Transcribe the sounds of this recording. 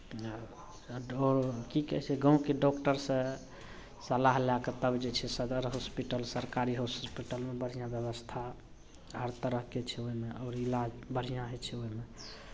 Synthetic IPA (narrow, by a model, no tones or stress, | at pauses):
ɔɾkikɛ̰ɦsʰɛɡə̃keɖɔkʈəɾsẽ | səlaɦlaket̪əbd͡ʒet͡ʃʰɛsəd̪əɾɦospiʈəlsəɾkaɾiɦospiʈəlmebəɾ̤ijãbjəβəst̪ʰa | ɦəɾt̪əɾəɦket͡ʃʰɛoimeɔːɾilad͡ʒbəɾ̤ijãɦet͡ʃʰɛoime